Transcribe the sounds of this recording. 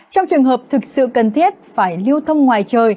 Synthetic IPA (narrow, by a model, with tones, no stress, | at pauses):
t͡ɕɔ˧wŋ͡mt͡ɕɨ˨˩əŋɦəː˨˩p̚t̪ʰɨ˨˩k̚sɨ̰˧˨kə˨˩nt̪ʰi˦˥t̚faː˧˩jli˧əwt̪ʰə˧wŋ͡mŋwaː˨˩jt͡ɕəː˨˩j